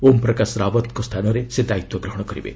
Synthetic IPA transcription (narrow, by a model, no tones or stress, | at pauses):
ompɾɔkasɾabɔt̪kost̪ʰanɔɾesed̪ait̪wɔɡɾɔɦɔɽ̃ɔkɔɾḭbḛ